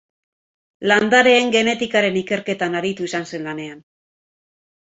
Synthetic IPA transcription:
land̪aɾe̞ːŋɡe̞ne̞t̪ikaɾe̞nike̞ɾke̞t̪anaɾit̪uisanse̞nlane̞an

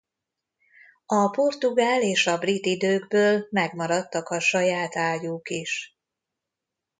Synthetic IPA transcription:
ɒpo̞rt̪uɡaːleːʃɒbrit̪id̪øːɡbøːlmɛɡmɒɾɒt̪ːɒkɒʃɒjaːt̪aːjuːkiʃ

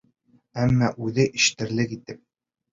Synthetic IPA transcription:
æmːɑʔʉðɘʔɘ̆ʃɘ̥̆t̪ɘ̆ɾlɘkit̪ɘp̚

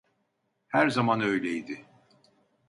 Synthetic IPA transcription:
hæɾzamanø̞jlʲejd̪ɪ

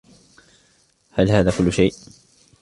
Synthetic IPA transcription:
halɦaːðaːkʊlːʊʃajʔ

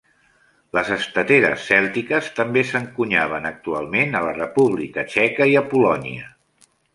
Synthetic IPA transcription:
ləzəst̪ət̪eɾə̰sːɛlˠt̪ikəst̪əmbesəŋkuɲaβ̞ənək̚t̪ualˠmenələrəpuβlikət͡ʃɛkəiəpulɔnḭə̰

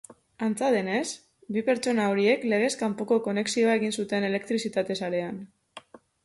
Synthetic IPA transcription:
ant͡saðe̞ne̞s | bipe̞ɾt͡ʃo̞nao̞ɾie̞kle̞ɣ̞e̞skampoko̞ko̞ne̞ksio̞ae̞ɣinsut̪e̞ne̞le̞kt̪ɾisit̪at̪e̞saɾe̞an

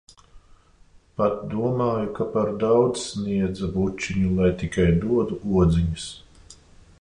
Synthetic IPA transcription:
pat̪̚d̪uɔmaːjukapaɾd̪awd̪zsniɛd̪zabut͡ʃːiɲulˠajt̪ikajd̪uɔd̪uʔuɔd̪ziɲɨs

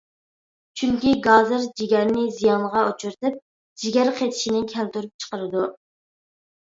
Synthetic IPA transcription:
t͡ʃʰyŋkʲiɡɑzɨɾd͡ʒiɡʲɛɾnɪzijɑnʁɑot͡ʃʰuɾt̪ɨp̚ | d͡ʒiɡʲɛɾqʰet̪ʰɪ̥ʃinɪkʲʰɛlt̪uɾyp̚t͡ʃʰə̥qəɾɨd̪u

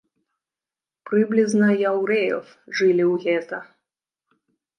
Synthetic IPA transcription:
pɾɨblʲiznɐjawɾɛjɔ̰f | ʐɨlʲiwɣʲɛt̪ɐ

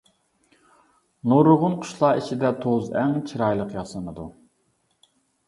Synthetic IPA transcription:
noɾʊʁʊnqʰʊ̥ʃlˠɑːit͡ʃʰid̪ɛt̪ʰozɛŋt͡ʃʰiɾɑjlˠəqjɑsənɨd̪u

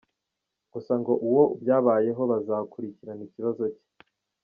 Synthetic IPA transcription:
ɡ̥usaŋɡo̞ʔuwo̞ubjaːβaːje̞ɦo̞βazakuɾiciɾaniciβazo̞ce̥

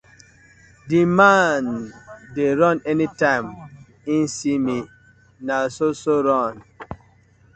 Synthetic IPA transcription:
dimandeɾɔ̃nɛnitãɪm | insimi | nasosoɾɔn

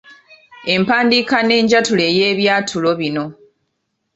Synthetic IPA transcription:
e̞mpaːndiːkane̞ːɲɟatule̞je̞ːβjaːtʰulo̞βino̞

